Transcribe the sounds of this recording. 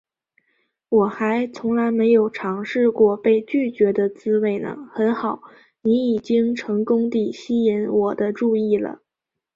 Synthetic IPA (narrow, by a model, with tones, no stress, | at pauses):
wɔ˨˩xa˧˥ɪt͡sʰʊ˧˥ŋla˧˥ɪme˧˥ɪjo˨˩ʊʈ͡ʂʰɑ˧˥ŋʂɻ̩˥˧kwɔ˥˧pe˥˧ɪt͡ɕy˥˩t͡ɕɥɛ˧˥d̪ə˧t͡sɹ̩˥we˥˩ɪnə̰˩xə˧˥nxɑ˨˩˦ʊ | ni˧˥i˨˩t͡ɕi˥ŋʈ͡ʂʰɤ˧˥ŋkʊ˥ŋt̪i˥˩ɕi˥jɛ˧˥nwɔ˨˩d̪ə˦ʈ͡ʂu˥˧i˥˩lə̰˩